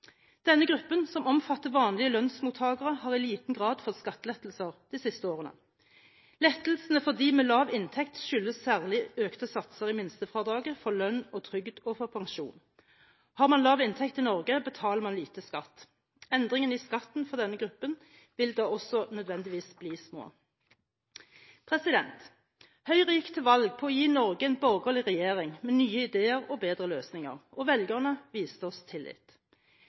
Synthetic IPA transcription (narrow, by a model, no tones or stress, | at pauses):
d̪̥ɛnːəɡʁʉpːənsɔmɔmfɑt̪ːəʁʋɑːnlɪəlœnsmuːt̪ʰhɑːɡəʁəhɑːʁɪliːt̪n̩ɡʁɑːd̪fɔʁskɑt̪ːlɛt̪l̩səʁd̪̥isɪst̪əoːʁənə̰ | lɛt̪lsənəfɔʁd̪iːmeːlɑːʋɪnt̪ʰɛkt̪ʃʏlːəssæːʁlɪøːkt̪əsɑt̪səʁɪmɪnst̪əfʁɑːd̪ɑːɡəfɔʁlœnːɔt̪ʰʁʏɡd̪ɔfɔʁpʰɑŋʃṵːn | hɑːʁmɑnlɑːʋɪnt̪ʰɛkt̪ɪnɔʁɡəbət̪ʰɑːləʁmɑnliːt̪əskɑt̪ː | ɛnd̪ʁɪŋənɪskɑt̪n̩fɔʁd̪ɛnːəɡʁʉpːən | ʋɪld̪ɑːɔsɔnœd̪ʋɛnd̪ɪʋiːsbliːsmo̰ː | pʰʁɛsɪd̪ɛnt̪ | hœʏʁiːkt̪ʰɪlʋɑlɡ̚pʰɔɔjiːnɔʁɡəɛɪnbɔʁɡəlɪʁɛjeːʁɪŋmeːnyːəɪd̪eːəʁɔbeːd̪ʁəløːsnɪŋə̰ʁʔɔʋɛljɡəʁnəʋiːsɔst̪ʰɪlːɪ̰ːt̪